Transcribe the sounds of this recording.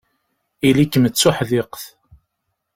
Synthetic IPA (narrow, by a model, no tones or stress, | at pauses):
ilikːmət͡sːʊħðɪqθ